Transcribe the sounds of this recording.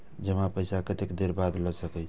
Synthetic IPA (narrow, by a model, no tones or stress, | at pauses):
d͡ʒəmãpəjsakət̪ekd̪eɾbad̪ləsəkɛt͡ʃʰ